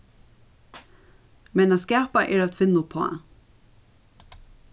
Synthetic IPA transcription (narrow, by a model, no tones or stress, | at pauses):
mɛnaskæːpaʔɛːɹat̪ʰfɪnːʊpʰo̰ː